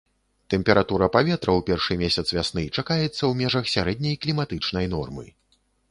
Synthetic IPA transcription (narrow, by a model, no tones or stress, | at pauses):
t̪ɛmʲpʲɛɾʔat̪uɾɐpavʲɛt̪ɾɐwpʲɛrʂɨmʲesʲɐt̪svʲasnɨt͡ʂakajɛt̪sːɐwmʲɛʐɐxsʲaɾɛd̪̚ʲnʲɐjklʲimat̪ɨt͡ʂnɐjn̪ɔ̰rmɨ̰